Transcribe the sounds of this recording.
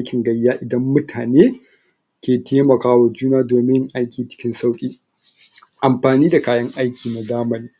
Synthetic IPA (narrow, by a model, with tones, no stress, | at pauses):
ʔjkʲɪ˨ŋɡɐ˦jːaː˦ʔɪ˨dɐ˦mːʊ˦tʰaː˨neː˦ | kʲeː˨tʰeː˦mɐ˨kaː˦wa˨d͡ʒuː˦naː˦doː˨mɪ˦ŋʔa˦jkʲiː˨t͡ʃɪ̥˦kʲɪ˦nsa˦wkʲʼiː˦ | ʔa˨mɸaː˨niː˦da˨kaː˦jɐ˦ŋʔa˦jkʲiː˨na˨daː˦mɐ˦niː˦